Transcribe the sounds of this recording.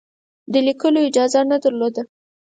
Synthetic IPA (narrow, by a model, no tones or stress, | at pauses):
d̪əlikəloɪd͡ʒɑzanad̪əɾlod̪ə